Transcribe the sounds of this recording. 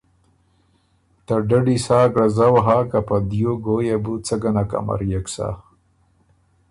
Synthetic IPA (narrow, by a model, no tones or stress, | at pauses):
t̪aɖaɖisaːɡɽazawaɦakapad̪joɡojabut͡səɡanaka̰ma̰ɾjaksa̰